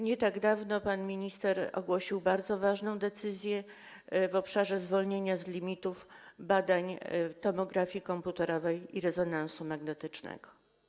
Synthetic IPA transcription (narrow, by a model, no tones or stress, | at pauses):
ɲɛt̪aɡd̪avnɔpanmʲiɲist̪ɛɾɔ̰ɡwɔɕiwbaɾd̪zɔvaʐnɔ̃w̃d̪ɛt̪sɘzʲjɛ | vɔpʂaʐɛzvɔlɲeɲazlʲimʲit̪ufbad̪aɲt̪ɔmɔɡɾafʲjikɔmput̪ɛɾɔvɛjiɾɛzɔnansumaɡnɛt̪ɘt͡ʂnɛ̰ɡ̥ɔ